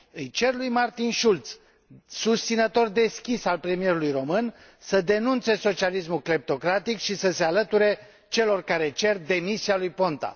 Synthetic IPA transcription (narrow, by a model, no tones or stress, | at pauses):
ɨjt͡ʃe̞rlujmart̪inʃult̪s | sust̪sinət̪o̞rd̪e̞skʲisalpɾe̞mije̞ɾulujro̞mɨn | səd̪e̞nunt̪se̞so̞t͡ʃialis̬mukɾep̚t̪o̞kɾat̪ikʃisəse̞alət̪uɾe̞ | t͡ʃe̞lo̞rkaɾe̞t͡ʃe̞rd̪e̞misialujpo̞nt̪a̰